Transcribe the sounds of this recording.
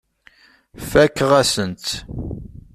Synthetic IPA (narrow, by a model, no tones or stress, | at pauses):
fækːəʁæsənt̪